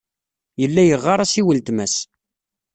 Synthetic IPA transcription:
jəlːæjəʁːɑɾˤæsiwəlt̪mæs

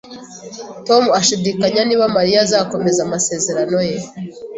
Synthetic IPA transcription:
to̞muaʃidikaɲaniːβamaɾijazaːko̞me̞zamase̞ːze̞ɾano̞je

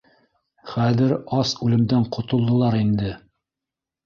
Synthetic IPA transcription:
χæðɘɾɑsʉlɘ̆md̪æɴqŏt̪ŏlˠd̪ɤ̆lˠɑɾind̪ɘ

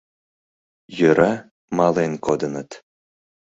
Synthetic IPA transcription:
jøɾa | mɑlenkod̪ənət̪

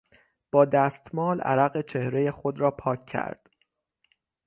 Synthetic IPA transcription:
b̥ɒːd̪æːst̪mɒːlæ̰ɾæɣet͡ʃʰe̞hɾeje̞xod̪ɾɒːpʰɒːcʰːæ̰ɾd̪̥

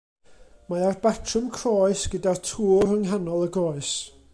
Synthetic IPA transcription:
maarbatʰrəmkʰrɔːɨsɡ̥ədartʰuːrəŋɦanɔlˠəɡɔːɨs

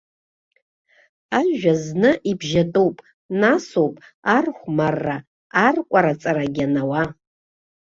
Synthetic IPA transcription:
aʒᶣaznɨʔibʒatʼowpʼ | nasowpʼarχʷmarːaː | rkʷʼaɾat͡sʼaɾaɡʲanawa

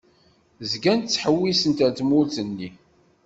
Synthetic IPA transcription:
zɡænt̪t͡sːħəwːisənt̪æd̪mʊlθənːi

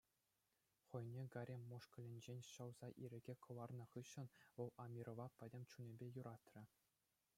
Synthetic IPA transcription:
χɤ̆jnʲeɡɑɾʲemʲːoʂkɤ̆lʲĕnʲd͡ʑenʲɕɤ̆wz̥ɑʔiɾʲɘ̆ɡʲekʰɤ̆lɑrnɤ̆χɯɕːɤ̆nʋɤ̆lˠɑmʲiɾʔŏʋɑpʲɘ̆dʲɘ̆mʲt͡ɕunʲĕbʲejuɾɑt̪ʲrʲɘ̆

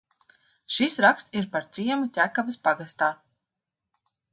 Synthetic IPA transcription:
ʃisɾaksiɾpaɾt̪siɛmut̪ʲækavɐspaɡast̪aː

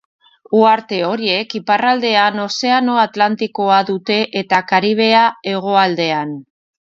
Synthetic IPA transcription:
uaɾt̪e̞o̞ɾie̞kiparald̪e̞ano̞se̞ano̞at̪lant̪iko̞aðut̪e̞ʔet̪akaɾiβ̞e̞ae̞ɣ̞o̞ald̪e̞an

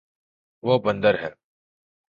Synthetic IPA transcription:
ʋoːbə̃nd̪əɾɦɛː

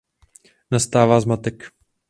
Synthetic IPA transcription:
nast̪aːvaːzmat̪ɛk

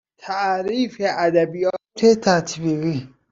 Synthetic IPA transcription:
t̪ʰæʔɾiːfeʔæd̪æbijɒːt̪ʰet̪ʰæt̪ʰbiɣi

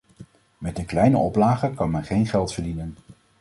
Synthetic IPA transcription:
mɛtdəklɛjnə̰ʔɔplaːχəkɑnmɛnχejnχɛlˠtfəɹdinən

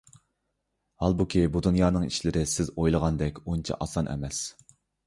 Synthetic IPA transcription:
hɑlˠbukʲʰibud̪unjɑːnɨŋḭʃlɪɾɪsɪzojlˠəʁɑnd̪ɛkʲunt͡ʃʰɛ̰ʔɑsɑnʔɛ̰mɛs

